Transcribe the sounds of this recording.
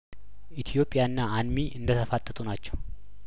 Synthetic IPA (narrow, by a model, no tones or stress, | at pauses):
ʔit̪ʰijo̞pʼːɪjaɨnːaanmiʔɨnd̪ət̪ʰəfat̪ʼːət̪ʼunat͡ʃːɛw